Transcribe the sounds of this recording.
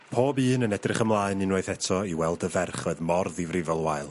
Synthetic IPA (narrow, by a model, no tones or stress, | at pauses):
pʰoːbɨːnənɛdrɪχəmlˠaːɨninoɨθɛtʰɔiwɛlˠdəvɛrχoɨðmɔrðivrɪvɛlˠwaɨlˠ